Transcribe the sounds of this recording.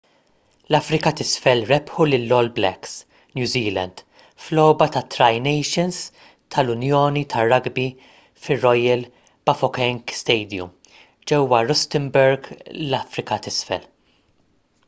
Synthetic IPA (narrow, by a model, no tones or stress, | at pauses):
lɐfɾɪkɐt̪ɪsfɛlɾɛpħulɪlːɔlblɛ̰ks | njuːziːlɐ̰nd̪̥ | flɔːbɐt̪ɐt̪ːɾɐjnɛjʃɪns | t̪ʰɐlʊnjɔːnit̪ʰɐrːɐɡbi | fɪrːɔjɐl | b̥ɐfɔkɛŋkst̪ɛjd̪jṵm | d͡ʒɛwːɐɾɔst̪ɪmbɛɾɡlɐfɾɪkɐt̪ɪsfɛ̰l